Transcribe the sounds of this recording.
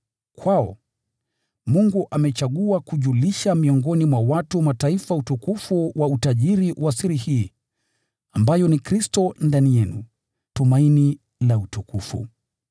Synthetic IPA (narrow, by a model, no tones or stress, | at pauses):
kʰwaɔ | muŋɡuʔamɛt͡ʃaɠuakuʄuliʃamiɔŋɡɔnimwawatumataifautukufuwʔautaʄiɾiwʔasiɾihiː | ambajɔnikɾistɔndanijɛnṵ | tumaini | lautukufṵ